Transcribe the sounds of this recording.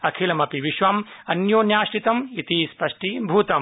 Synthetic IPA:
ɐkʰeːlɐmɐpiʋiʃʋɐmɐnjoːnjaːʃʈit̪ɐmit̪iːspɐʂʈibʱuːt̪ɐm

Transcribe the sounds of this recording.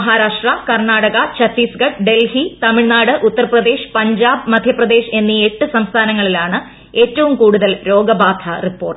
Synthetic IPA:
ɦaːɾaːʂʈrɐkɐrɳaːɽɐɣɐt͡ɕɐt̪ːiːsɡɐʈɖe̞lhit̪ɐmiɭnaːɽɨʔut̪ːɐrɐprɐd̪e̞ːʂɨ̥pɐɲd͡ʑaːbmɐd̪ʱjɐprɐd̪e̞ːʂe̞nːieʈːɨsɐmst̪ʰaːnɐŋːɐɭilaːɳɨ | e̞ːtːɐʋumkuːɽuðɐlɾo̞ːɡɐbaːd̪ʱʰɐripːo̞ːrʈːɨ

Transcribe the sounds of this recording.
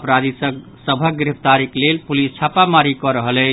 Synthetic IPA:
pɾad̪isə | səbʱəɡɾipt̪aɾiklelpulist͡ʃʰapamaɾikɔɾəɦəlɛt͡ʃ

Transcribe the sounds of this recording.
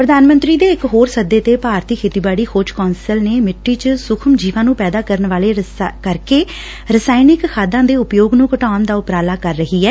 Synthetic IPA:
pɾəd̪aːnmə̃nt̪ɾiːd̪eːɪkɦoːɾsəd̪eːt̪eːpaːɾt̪iːkʰeːt̪iːbaːɽiːkʰoːt͡ʃkɔːnsəlneːmɪʈːiːt͡ʃəsʊkʰəmd͡ʒiːʋãːnũːpɛːd̪aːkəɾənʋaːleːkəɾkeː | ɾəsaːinɪkkʰaːd̪ãːd̪eːʊpjoːɡnũːkəʈaːnd̪aːʊpɾaːlaːkəɾːəɦiːɦɛː

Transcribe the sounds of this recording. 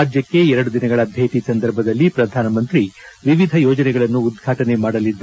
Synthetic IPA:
d͡ʒjɐkːe̞ɛɾɐɽud̪inɐɡɐɭɐbʱjeːt̪isɐnd̪ɐɾbʱɐd̪ɐlːipɾɐd̪ʱaːnɐmɐnt̪ɾiʋiʋid̪ʱɐjɔːd͡ʒɐnɛɡɐɭɐnːuːd̪̚ɡʱaːʈɐnemaːɽɐlid̪ɾ

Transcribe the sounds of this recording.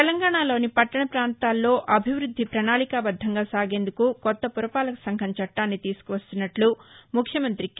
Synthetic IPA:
ɛlɐŋɡaːɳaːlo̞ːnipɐʈːɐɳɐpɾaːnt̪aːlːo̞ːʔɐbʱiʋɾud̪ʱːipɾɐɳaːɭikaːbɐd̪ʱːɐŋɡaːsaːɡe̞ːnd̪ukukɔt̪ːɐpuɾɐpaːlɐkɐ̥sɐŋkʰɐɲt͡ʃɐʈːaːnːit̪iːsu̥kuʋɐst̪unːɐʈlumukʰjɐmɐnt̪ɾik

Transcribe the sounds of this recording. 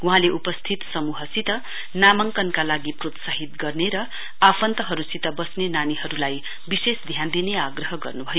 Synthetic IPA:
wuɦãleʔupʌst̪ʰit̪sʌmuɦʌsit̪ʌ | namʌŋkʌnkalaɡiprot̪saɦit̪ɡʌrneɾʌ | apʰʌnt̪ʌɦʌɾusit̪ʌbʌsnenaniɦʌɾulaj | bisesd̪ʱjand̪ineaɡrʌɦʌɡʌ̰rnubʱʌjo

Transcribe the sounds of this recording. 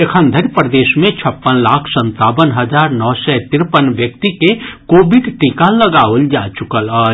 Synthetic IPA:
ekʰə̃nd̪ʱəɾpɾəd̪eːʃmẽt͡ʃʰəpːənlaːkʰsə̃nt̪aːbənɦəd͡ʒaːɾnɔːsɛt̪ɪɾpənʋjək̚t̪ikekoːbɪɖʈikaləɡaːold͡ʒaːt͡ʃʊkələː

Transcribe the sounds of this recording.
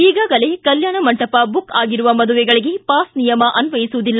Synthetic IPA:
iːɡaːɡɐle̞kɐljaːɳɐmɐɳʈɐpɐbukaːɡiɾuʋɐmɐd̪uʋɛɡɐɭiɡe̞paːsnijɐmɐʔɐnʋɐjisuud̪ilːɐ

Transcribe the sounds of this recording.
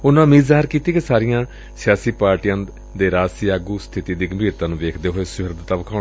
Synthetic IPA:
ʊnãːmiːzaːɦəɾkiːt̪iːkesaːɾɪjãː | sɪjaːsiːpaːɾʈijãː | d̪eːɾaːsiːaːɡuːst̪ʰɪt̪iːd̪iːɡəmbʱiːɾt̪ãːnũːʋeːkʰd̪eːɦoːeːsʊɦɪɾd̪t̪ãːʋəkʰaː

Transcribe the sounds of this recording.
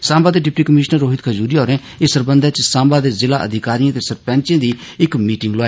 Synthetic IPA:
sãːmbaːd̪eːɖɪpʈiːkəmɪːʃnəɾːoːɦɪt̪kʰəd͡ʒuːɾiːɔːɾẽː | ɪsəɾbənd̪aːt͡ʃsãːmbaːd̪eːzɪlaːʔə̰d̪ɪkaːɾijãːt̪eːsəɾpɛ̃ːnt͡ʃẽːd̪iː | ɪkmiːʈɪŋɡloaː

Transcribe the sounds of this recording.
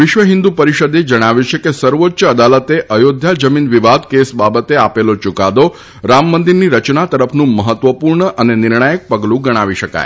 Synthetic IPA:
ʋɪʃʋəɦɪnd̪upəɾiʃəd̪ed͡ʒəɽ̃aʋjũt͡ʃʰekesəɾʋot̪ːʃəəd̪alət̪eʔəjod̪ʱjad͡ʒəminʋiʋad̪kesbabət̪eapelot͡ʃukad̪o | ɾamːənd̪iɾniɾət͡ʃnat̪əɾəpʰnũməɦət̪ʋəpuɾɳəʔənenɪɾɳajək̚pəɡlũɡəɽ̃aʋiʃəka̰j

